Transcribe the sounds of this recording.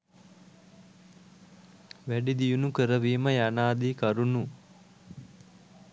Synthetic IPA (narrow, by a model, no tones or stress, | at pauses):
ʋæɖid̪ijunukəɾəʋiːməjanaːd̪iːkaɾunu